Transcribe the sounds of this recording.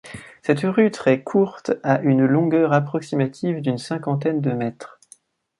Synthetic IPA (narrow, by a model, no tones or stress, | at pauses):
sɛt̪ʁyt̪χɛkʰuʁt̪aʔynlɔ̃ɡœʁapχɔksimat̪ʰivd̪ynsɛ̃kɑ̃t̪ɛnd̪əmɛt̪χ